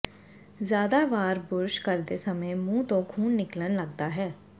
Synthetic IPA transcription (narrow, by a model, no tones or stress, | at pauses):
zjaːd̪aːʋaːɾbʊɾʃkəɾd̪eːsəmẽːmũːt̪õːkʰuːnːɪklənləɡd̪aːɦɛː